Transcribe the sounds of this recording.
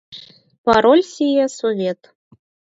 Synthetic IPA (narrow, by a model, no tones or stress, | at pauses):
pɑɾolʲsʲijesovʲet̪